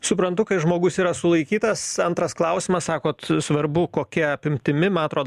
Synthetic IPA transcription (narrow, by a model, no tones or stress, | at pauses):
sʊpɾɐnt̪ʊkɐɪʒmoːɡʊsiːɾɐsʊlˠɐɪkʲiːt̪ɐsɐnt̪ɾɐsklˠɐʊsʲɪmɐssɑːkoːt̪sʋɐɾbʊkoːkʲiɛɐpʲɪmʲt̪ʲɪmʲɪmɐnɐt̪ɾoːd̪